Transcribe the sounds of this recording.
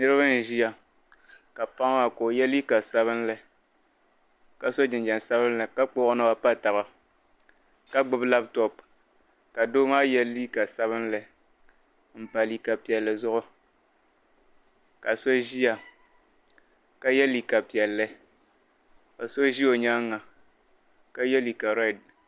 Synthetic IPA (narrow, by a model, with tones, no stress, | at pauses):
nɨ˦ɾɨ˦bɨ˦n̩˨ʒi˦ja˨ | ka˨pa˦ŋ˦wa˨ko˨jɛ˦li˦ka˨sa˦βɨ˦n˦lɨ˨ | ka˨so˦d͡ʒɪ˨nd͡ʒa˨n˨sa˦bɨ˦n̩˦lɨ˨ka˦k͡poː˦ʔnɨ˦ba˦pa˦ta˨ba˨ | ka˦ɡ͡bɨ˦bla˦b̚tɔ˨p̚ | ka˨doː˦maː˦jɛ˦liː˦ka˨sa˦βɨ˦n˦lɨ˨ | m̩˨pa˨li˨ka˨pi˨ɛ˨lːɨ˨zʊ˦ʔʊ˦ | ka˨so˦ʒi˦a˨ | ka˦jɛ˦li˨ka˨pi˨ɛ˨lːɨ˦ | ka˨so˦ʒi˦o˨ɲa˦ŋːa˨ | ka˦jɛ˦li˨ka˨ɾɛ˦˨d̚